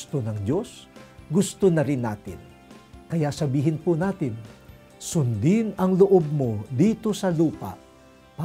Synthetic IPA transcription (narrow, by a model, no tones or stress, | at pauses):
t̪onɐŋd̪o̞sɡʊst̪onɐɾɪnːaːt̪ɪn | kɐjaʔsɐbiːɦɪnpʊnaːt̪ɪn | sʊnd̪ɪnɐŋloʔo̞b̚mo̞d̪iːt̪o̞sɐluːpa̰ʔ | pa